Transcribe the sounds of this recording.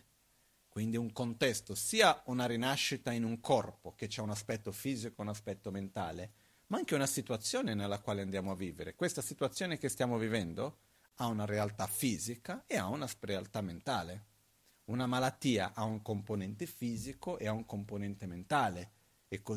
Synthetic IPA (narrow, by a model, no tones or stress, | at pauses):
kwind̪iuŋkont̪ɛst̪osiːaunaɾinaʃːit̪ainuŋkʰɔrpok̟et͡ʃaunaspɛt̪ːofiːzikounaspɛt̪ːoment̪a̰ːle | maaŋk̟eunasit̪wat̪sːjoːnenelːakwaːleand̪jaːmoavːiːveɾekwest̪asit̪uwat̪sːjoːnekest̪jaːmovivɛnd̪o | aunaɾealt̪afiːzikaeaunasrealt̪ament̪aːle | unamalat̪ːiːa̰ʔauŋkomponɛnt̪efiːzikoʔeauŋkomponɛnt̪ement̪aːleː | kːo